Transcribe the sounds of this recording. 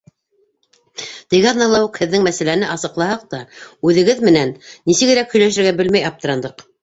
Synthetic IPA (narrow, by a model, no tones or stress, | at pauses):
t̪eɡɑðnɑlˠɑwuqhɘ̆ðːɘŋmæsælænɘʔɑsɤ̆qlˠɑhɑq̚t̪ɑʉðɘ̆ɡɘðmɘ̆nænːisɘ̆ɡɘ̆ɾækhɵ̆jlæʃɘ̆ɾɡæbɘlmæjɑp̚t̪ɤ̆ɾɑnd̪ɤq